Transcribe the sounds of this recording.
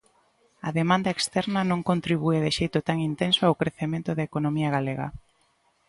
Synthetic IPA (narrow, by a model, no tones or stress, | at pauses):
ɐðemãnd̪ɐekst̪ɛɾnɐnõŋkont̪ɾiβ̞ueðɪʃejt̪ʊt̪aŋint̪ensʊawkɾeθemẽnt̪ʊðɐekonomiɐɣaleɣɐ̰